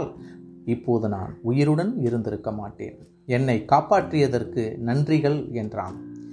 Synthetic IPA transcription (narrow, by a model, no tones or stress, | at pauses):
lɪpːoːðɯna̰ːnʊjɪɾɯɽɐnɪɾɯnd̪ɪɾɯkːɐmaːʈːḛːn | ɛnːɐɪkaːpaːʈrɪjɐðɐrkɯnɐndrɪɣɐɭɛndra̰ːn